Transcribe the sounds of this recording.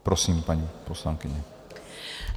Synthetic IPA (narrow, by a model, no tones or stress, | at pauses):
pɾɔsiːmpaɲipɔslaŋkiɲɛ